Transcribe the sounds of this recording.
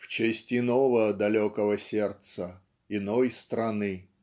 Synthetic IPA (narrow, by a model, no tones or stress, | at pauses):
ft͡ɕesʲtʲɪnovəd̪ɐlʲokəvəsʲert̪sə | ɪnojst̪ɾɐnɨ